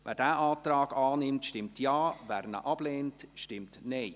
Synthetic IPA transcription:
vɛ̰ːdæːʔaːtrɑːɡɑːnɪmtʃtɪmtjaːvæːɾnə̰ʔɑb̥leːntʃtɪmtneɪ

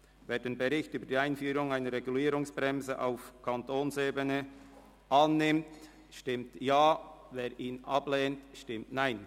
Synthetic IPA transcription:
veːɾdenbɛɾɪçtyːbəd̥iːaɪnfyːɾʊŋaɪnəɾːɛɡuliːɾʊŋsb̥ɾɛmzəʔa̰ʊfkʰɑntoːnseːbənə | ʔɑnːɪmt | ʃtɪmtjaːveːɾʔiːnʔɑb̥leːntʃtɪmtnaɪn

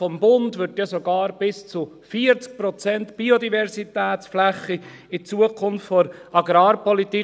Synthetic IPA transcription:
fɔmbʊndʋʏɾt̪jɑsoɡɑːɾb̥ɪst͡su | fiəɾt͡sk̚pɾɔt͡sɛntb̥iod̪ivɛɾsit̪ɛːt͡sflæχːi | ɪt͡suəkʰʊnftfɔɾɑɡɾɑːɾpɔlit̪i

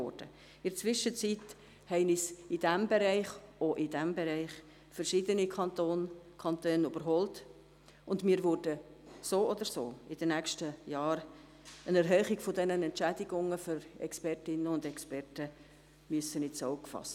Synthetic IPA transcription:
ɔ̰d̥ə | ɪɾət͡sʋɪʃːət͡sit | hɛɪnisɪd̥æmbɛɾɛɪχoʔɪdæmbɛɾɛɪχ | fɛɾʃɪdənikʰɑnt̪oːnkʰɑntøːnyb̥əɾɦɔlt | ʊndmiːɾvʊɾdəsoːɔd̪əɾso̰ːɪd̥ənækʃtəjɑːɾ | ənɛɾɦœːχiɡ̥fɔdɛnənɛntt͡ʃædiɡʊŋːəføɾɛ̰kspɛrtɪnːəʊndɛkspɛrtə | myəsənɪt͡soʊkfɑ̰st

